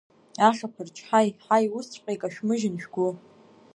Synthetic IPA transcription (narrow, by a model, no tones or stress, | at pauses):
aʂapʰɨrt͡ʃʰʼħajħajʊst͡ɕʷʰʼqʲʼejkʼaʃᶣmɨʒɪnʃᶣɡʷʊ